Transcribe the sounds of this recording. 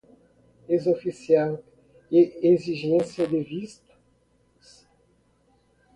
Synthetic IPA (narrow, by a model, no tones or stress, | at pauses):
ezofisiãnt | eeziʒẽsjɐd̪evist̪ɐ̥ | s